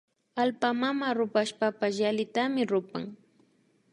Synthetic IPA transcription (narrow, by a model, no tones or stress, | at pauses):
alpamamaɾʊpaʃpapasjalɪt̪amɪɾʊpa̰ŋ